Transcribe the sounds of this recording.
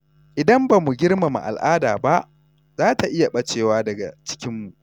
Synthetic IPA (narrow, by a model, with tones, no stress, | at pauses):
ʔɪ˨dɐ˦mba˨mu˨ɡʲɪ˦rma˨ma̰˨ʔa̰˨lʔaː˦daː˨ba˦ʔ | zaː˦ta˨ʔɪ˦ja˨ɓɐ˦t͡ʃeː˨waː˦dɐ˨ɡa̰˨t͡ʃɪ̥˦kʲɪ˦mːu˨ʔ